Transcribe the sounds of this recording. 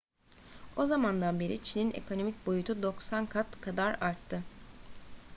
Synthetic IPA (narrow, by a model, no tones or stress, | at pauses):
o̞zamand̪anbe̞ɾit͡ʃʰinine̞̰kʰo̞no̞mic̚bo̞jut̪ʰud̪o̞ksankʰat̪kʰad̪aɾaɾt̪ʰːɯ